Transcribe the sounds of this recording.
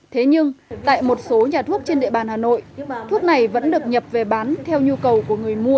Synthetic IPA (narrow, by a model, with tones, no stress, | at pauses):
t̪ʰe˨˦ɲɨ˧ŋt̪a̰ː˧˨jmo˨˩t̚so˨˦ɲaː˨˩t̪ʰu˦˥k̚t͡ɕe˧nɗḭ˧əɓaː˨˩nhaː˨˩no̰˧˨jt̪ʰu˦˥ək̚na˨˩jvə̰˧˥nɗɨ˨˩ək̚ɲə˨˩p̚ve˨˩ɓaː˨˦nt̪ʰɛ˧wɲu˧kə˨˩wku˧˩əŋɨ˨˩əjmu˧ə